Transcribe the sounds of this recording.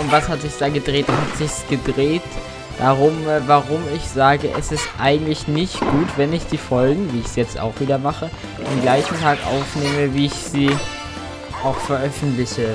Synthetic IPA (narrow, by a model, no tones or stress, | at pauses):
ʊntv̥ashatz̥ɪçd̥aːɡədʁeːt̚d̥ahatz̥ɪçsɡ̥ədʁeːt | d̥aʁʊmvaʁʊmɪçz̥aːɡəʔɛsɪstʔaɪɡŋ̩tlɪçnɪçtɡ̥uːtv̥ɛnɪçd̥iːfɔlɡŋ̩viːɪçsjɛt͡sta̰ʊxv̥iːdɐmaχə | deːmɡlaɪçn̩tʰaːkʔa̰ʊfneːməviːɪçz̥iː | ʔaʊxfɛɐʔœfn̩tlɪçə